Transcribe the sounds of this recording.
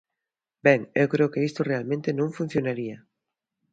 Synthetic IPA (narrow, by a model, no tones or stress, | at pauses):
beŋewkɾeʊkeist̪orealmẽnt̪enõŋfũn̟θjonaɾia